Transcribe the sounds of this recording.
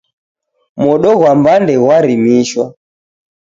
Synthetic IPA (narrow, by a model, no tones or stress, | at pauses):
mɔɗɔɣwambandɛwaɾimiʃwa